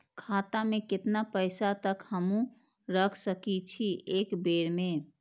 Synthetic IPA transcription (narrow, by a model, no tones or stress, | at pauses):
kʰat̪amekɪt̪napəɪsat̪əkhəmũ | ɾəkʰsəkit͡ʃʰiʔekbeɾmẽ